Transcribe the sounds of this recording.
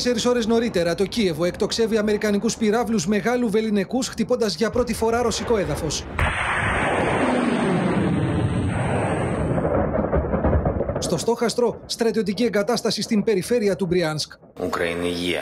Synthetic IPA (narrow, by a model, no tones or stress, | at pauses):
se̞ɾiso̞ɾe̞zno̞ɾit̪e̞ɾɐt̪o̞cie̞vo̞e̞kt̪o̞kse̞viɐme̞ɾikɐnikuspiɾɐvluzme̞ɣɐluve̞line̞kusxt̪ipo̞nd̪ɐzʝɐpɾo̞t̪ifo̞ɾɐɾo̞siko̞e̞ðɐfo̞s | st̪o̞st̪o̞xɐst̪ɾo̞st̪ɾɐt̪io̞t̪icie̞ŋɡɐt̪ɐst̪ɐsist̪impe̞ɾife̞ɾiɐt̪ubɾiɐnsk | ṵkɾɐ̰ḭniʝḭɐ̰